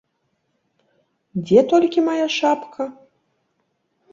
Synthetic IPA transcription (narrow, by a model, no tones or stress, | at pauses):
d͡zʲɛt̪ɔlʲkʲimajaʂapkʰɐ